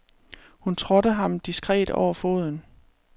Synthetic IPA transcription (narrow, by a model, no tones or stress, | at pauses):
hunt͡sʰʁɔ̽ɾəɦɑ̈md̥isɡ̥ʁɛ̰ːd̥ɒ̰ʊ̰ɐfo̝̰ːð̞ˠn̩